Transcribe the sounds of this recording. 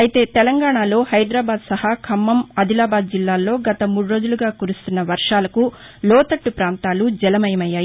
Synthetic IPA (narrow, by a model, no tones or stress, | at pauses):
ɐjit̪e̞ːt̪ɛlɐŋɡaːɳaːlo̞ːhɐjd̪ɾaːbaːd̪sɐhakʰɐmːɐmɐd̪ilaːbaːd̪̚d͡ʒilːaːlːo̞ːɡɐt̪ɐmuːɽuɾo̞ːd͡ʒuluɡaːkuɾust̪unːɐʋɐɾʂaːlɐku | lɔːt̪ɐʈːupɾaːnt̪aːlud͡ʒɛlɐmɐjɐmɐjːaːji